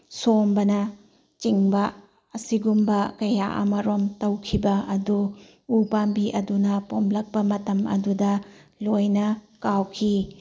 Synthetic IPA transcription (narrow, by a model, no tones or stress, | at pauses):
sombɐnɐ | t͡ʃiŋbɐ | ɐsiɡumbɐkɐjaʔɐ̰mɐɾomtɐwkʰibɐɐduː | pambiʔɐdunɐpomlɐk̚pɐmɐtɐmɐ̰dudɐlojnɐkawkʰi